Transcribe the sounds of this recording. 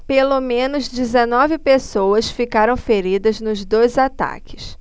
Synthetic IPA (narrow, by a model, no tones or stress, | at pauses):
pelomẽnʊzd͡ʒizenɔvɪpesowɐsfikaɾɐ̃w̃feɾid̪ɐznʊzd̪ojzat̪a̰kɪ̥s